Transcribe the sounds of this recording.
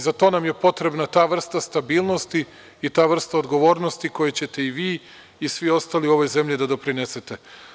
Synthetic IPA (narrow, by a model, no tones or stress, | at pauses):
zat̪o̞namje̞po̞t̪ɾe̞bnat̪aːʋr̩st̪ast̪abiːlˠno̞st̪i | it̪aːʋr̩st̪aod̪ɡo̞ʋo̞ːɾnost̪iko̞jet͡ɕe̞t̪e̞iʋiː | isʋio̞st̪aːliuo̞ʋo̞jze̞mʎid̪ad̪o̞pɾinese̞t̪e̞